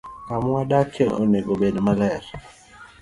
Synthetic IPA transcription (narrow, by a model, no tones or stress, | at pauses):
kamwadakʰeʔo̰neɡobedmalɛɾ